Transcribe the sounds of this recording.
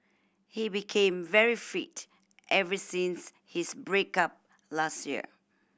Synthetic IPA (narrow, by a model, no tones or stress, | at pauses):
hibikʰẽmvɛɹifit | ʔɛvɹisĩns | hisbɹekap̚ | lastjḭ